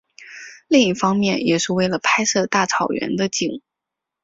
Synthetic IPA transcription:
li˥˧ŋi˥˩fɑ˥ŋmjɛ˥˩njɛ˨˩ʂɻ̩˥˧we˥˩ɪlə˩pʰa˥ɪsɤ˥˧t̪a˥˩t͡sʰɑ˨˩ʊɥɛ̰˧˥nd̪ə˧t͡ɕi˨˩˦ŋ

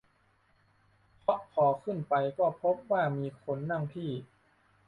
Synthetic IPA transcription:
pʰɔ˦˥ʔkʰɔː˨˩˦kʰɯ˥˩npa˧jkɔː˥˩pʰo˦˥p̚waː˥˩miː˧kʰo˧nːa˧˥˩ŋpʰiː˥˩

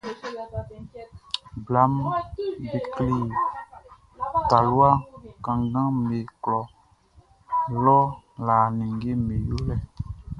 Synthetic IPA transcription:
bla˦m | be˨kli˦˨ | ta˨lu˦a˦kã˨ŋɡã˦me˨klɔ˨ | lɔ˦ | la˨nĩ˨ŋ˦ɡe˦me˨jo˦lɛ˦

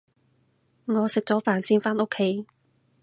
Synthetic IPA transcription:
ŋɔː˨˧sɪ˨k̚t͡sɔː˨˥faː˨nsiː˨˥nfaː˥no˥kʰːe˨˦j

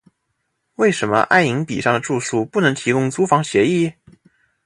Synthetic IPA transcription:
we˥˩ɪʂə˧˥nmə̰˧ʔa̰˥˩ɪi˧˥ŋpḭ˨˩ʂɑ˥˩ŋd̪ə˩ʈ͡ʂu˥˧su˥˩pu˥˩nɤ˧˥ŋt̪ʰi˧˥kʊ˥ŋt͡su˥fɑ˧˥ŋɕjɛ˧˥i˥˩

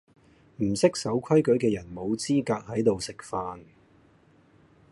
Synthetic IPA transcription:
m̩˨˩sɪ˥k̚sɐ˨˥wkʰɐ˥jkɵ˨˥ɥkɛː˧jɐ˨˩nmo˨˧wt͡siː˥kaː˧k̚hɐ˨˥jt̪o˨wsɪ˨k̚faː˧n

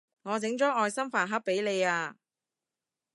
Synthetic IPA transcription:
ŋɔː˨˧t͡sɪ˨˥ŋt͡ʃɔː˨˥ŋɔː˧jsɐ˥mfaː˨nɦɐ˥p̚pːe˨˥jle˨jaː˧

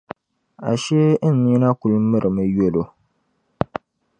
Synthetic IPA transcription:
a̰˨ʃɛ˦n˦mi˦na˦ku˨lmɨ˦ɾɨ˨mɨ˨jo˦lo˨

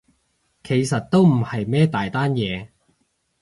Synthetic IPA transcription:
kʰe˨˩jsɐ˨t̚t̪o˥wm̩˨˩hɐ˨jmɛː˥t̪aː˨jt̪aː˥njɛː˨˧

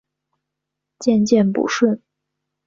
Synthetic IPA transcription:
t͡ɕjɛ˥˧nt͡ɕjɛ˥˩npṵ˨˥ʂwə˥˩n

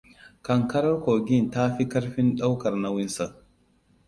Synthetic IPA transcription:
kɐ˨ŋkɐ˦ɾɐ˦ɾkoː˨ɡi˦˨ntaː˦fi˦kɐ˦ɾɸi˦nɗa˦wkɐ˨ɾna˦wɪ˦nsa˨

